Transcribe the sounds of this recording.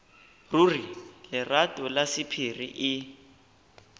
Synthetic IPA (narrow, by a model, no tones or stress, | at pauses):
rurilɪratʼʊlasipʰirḭʔɪ